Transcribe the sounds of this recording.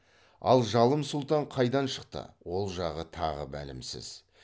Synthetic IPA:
ɑ̰lˠʒɑlˠəmsʊlˠt̪ɑɴqʰɑjd̪ɑnʃəq̚t̪ə̰wo̞lˠʒɑʁət̪ʰɑ̰ʁə̰bæ̰lɪ̰msɪ̰z̥

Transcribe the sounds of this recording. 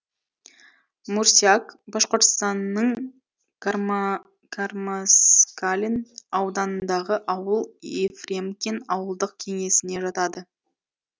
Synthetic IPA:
muɾsiakbɑʃqoɾt̪ə̥st̪ɑnːəɴ | kʰarmaskalʲinɑwd̪ɑnənd̪ɑʁəʔɑwəlˠefrʲemkʲenɑwəlˠd̪əq̚kʲʰe̞ŋe̞sɪne̞ʒɑt̪ɑd̪ə

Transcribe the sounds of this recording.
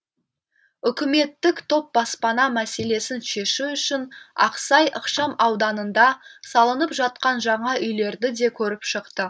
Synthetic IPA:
ʏkʲɪme̞t̪ːɪkt̪ʰo̞p̚bɑspɑnɑmæse̞le̞sɪnʃe̞ʃɪʏʃɪnɑ̰qsɑjʔəqʃɑmɑwd̪ɑnənd̪ɑsɑlˠənəpʒɑt̪̚qɑnʒɑɴɑʔʏjle̞ɾd̪ɪd̪e̞kʲʰɵɾɪpʃəqt̪ə

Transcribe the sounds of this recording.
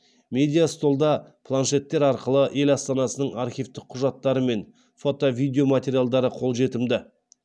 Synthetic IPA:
me̞d̪ʲijast̪o̞lˠd̪ɑpʰlˠanʃe̞t̪ːe̞ɾɑɾqəlˠəʔe̞lɑst̪ɑnɑsənəɴaɾχʲijvt̪ɪk̚qʰːʊʒɑt̪ːɑɾəme̞n | fo̞t̪o̞vijd̪ʲeo̞mat̪ʲe̞ɾijalˠd̪ɑɾəqʰo̞lˠʒe̞t̪ɪmd̪ɪ

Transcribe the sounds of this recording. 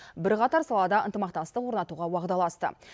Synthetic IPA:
bɪɾqɑt̪ɑɾsɑlˠɑd̪ɑənt̪əmɑq̚t̪ɑst̪əqwoɾnɑt̪uʁɑwɑʁd̪ɑlˠɑst̪ə̰

